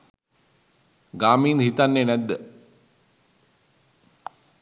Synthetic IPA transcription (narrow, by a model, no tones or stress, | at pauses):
ɡaːmiːnɦit̪anːenæd̪ːə